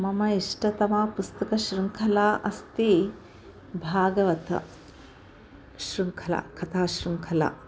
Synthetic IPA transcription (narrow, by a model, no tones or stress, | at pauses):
mɐmɐiʂʈɐt̪ɐmaːpust̪ɐkɐɕɾuŋkʰɐlaːʔɐst̪i | bʱaːɡɐʋɐt̪ɐ̰ | ɕɾuŋkʰɐla̰kʰɐt̪ʰaːɕɾuŋkʰɐla̰ː